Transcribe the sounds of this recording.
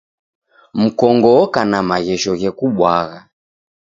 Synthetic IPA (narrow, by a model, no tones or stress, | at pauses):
m̩kɔŋɡɔkanamaɣɛʃɔɣɛkuɓwaɣa